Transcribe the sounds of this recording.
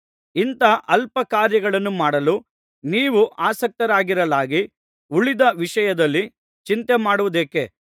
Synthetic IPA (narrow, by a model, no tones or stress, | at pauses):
int̪ɐʔɐlpɐkaːɾjɐɡɐɭɐnːumaːɽɐlu | niːʋuʔaːsɐk̚t̪ɐɾaːɡiɾɐlaːɡi | uɭid̪ɐʋiʂɐjɐd̪ɐlːi | t͡ʃint̪emaːɽuʋud̪eːke